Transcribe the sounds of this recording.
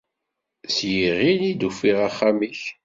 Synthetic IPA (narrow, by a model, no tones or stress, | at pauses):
sjiʁinid̪ufiʁaχːamiç